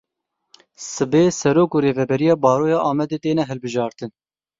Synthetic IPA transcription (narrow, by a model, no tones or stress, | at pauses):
sɨbeːsɛɾoːkuːɾeːvɛbɛɾijɑːbɑːɾoːjɑːʔɑːmɛd̪eːt̪eːnɛɦɨlbɨʒɑːɾt̪ɨn